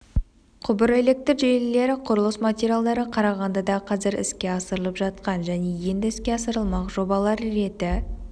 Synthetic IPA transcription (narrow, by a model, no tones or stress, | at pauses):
qʰʊbəɾe̞le̞k̚t̪ɪɾʒellːe̞ɾɪqʰʊɾəlˠəsmat̪ʲeɾʲialˠd̪ɑɾəqʰɑɾɑʁɑnd̪ɑd̪ɑqʰɑzɪɾɪ̰skʲe̞ɑsəɾəlˠəpʒɑt̪̚qɑnʒæne̞je̞nd̪ɪɪskʲe̞ɑsəɾəlˠmɑqʒo̞bɑlˠɑɾːe̞t̪ɪ